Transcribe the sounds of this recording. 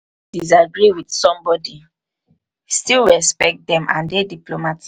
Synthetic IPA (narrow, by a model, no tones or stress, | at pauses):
d̥is̬aɡɹiwid̥sɔ̃mbɔdi | stilɹɛspɛk̚t̚dɛ̃mʔã̰ndediplomat